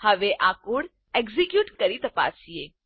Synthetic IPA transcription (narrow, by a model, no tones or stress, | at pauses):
hɐʋeʔakuɽ | eɡzikjuːʈkɐɾit̪ɐpa̰ːsie